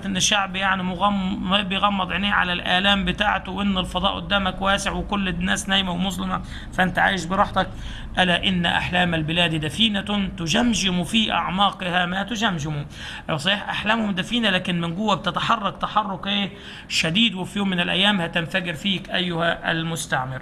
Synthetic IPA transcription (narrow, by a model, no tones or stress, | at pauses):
t̪ʔɪnːɪʃːaʕbjaʕnimʊɣɑmbjɣɑmːɑd̪ˤʕɪneːʕa̰lalʔæːlaːmbɪt̪aːʕt̪wʔɪnːɪlfɑd̪ˤɑ̰ːʔwʊ̰d̪ːaːmakwaːsɪʕwɪkʊlːnːæːsnæːjmawmʊsˤlɪma | fæʔɪnt̪aʕa̰ːjɪʃbɪɾˤɑħt̪ˤɑk | ʔalaʔɪnːʔa̰ħlaːmalbɪlæːd̪id̪æfiːnat̪ʊd͡ʒamʒɪmufiːʔa̰ʕmɑːqɪhamat̪ʊd͡ʒamʒɪmu | ʔsˤiːħʔaħlæːmhʊmd̪æfiːnalæːkɪnmɪnɡʊwːæb̚t̪ɪt̪aħɑrˤːɑkt̪aħɑrˤːʊkʔeː | ʃad̪iːd̪wɪfjoːmːɪnɪlʔæ̰jːæːmhæt̪ɪnfaɡɪɾfiːkʔæjːʊhaʔalmʊst̪aʕmɪɾ